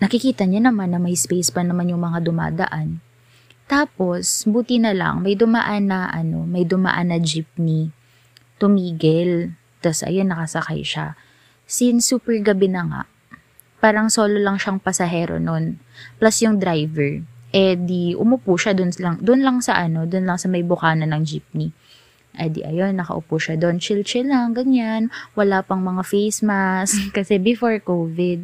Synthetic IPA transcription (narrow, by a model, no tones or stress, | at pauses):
nɐkɪkiːt̪ɐɲanɐmanːɐmɐjspejspɐnɐmanjʊŋmɐŋad̪ʊma̰ːd̪ɐ̰ʔan | t̪aːpo̞sbuːt̪ɪnɐlɐ̰ŋmɐjd̪ʊmɐ̰ʔanːɐʔɐno̞̰mɐjd̪ʊmɐ̰ʔa̰nːɐd͡ʒip̚ni | t̪ʊmiːɡɛl | t̪ɐsʔɐ̰jonːɐkɐsɐka̰jʃa̰ | sɪnsuːpɛɹɡɐbɛnɐŋa̰ | paːɾɐŋso̞ːlolɐŋʃaŋpɐsɐɦɛːɾo̰nonplasjʊŋd̪ɾajvɛɹʔɛd̪iʔʊmʊpuːʃɐd̪ʊnlɐŋd̪ʊnlɐŋsɐʔɐno̞d̪ʊnlɐŋsɐmɐjbʊkaːnɐnɐŋd͡ʒip̚ni | ʔɐd̪ḭʔɐ̰jo̞nːɐkɐ̰ʔʊ̰puʃɐd̪o̞nt͡ʃilt͡ʃɛlɐŋɡɐɲanwɐlapɐŋmɐŋafejsmaskɐsɛbɪfoɹkowvɪd̪̚